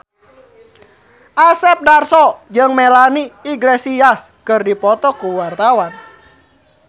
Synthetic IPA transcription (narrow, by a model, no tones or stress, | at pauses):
ʔasɛp̚darsɔd͡ʒəŋmelaniːɡlesias | kɨrdipɔt̪ɔkuwart̪awan